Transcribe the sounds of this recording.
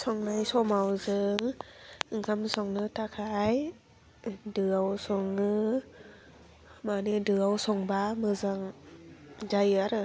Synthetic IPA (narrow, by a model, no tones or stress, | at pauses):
sɔŋnajsomawzɯŋɯŋkʰamsɔŋnɯt̪ʰakʰaj | dɯəwsoŋːɯ | maːnidɯəwsoŋbaːmɯzaŋ | d͡ʒajɯɾ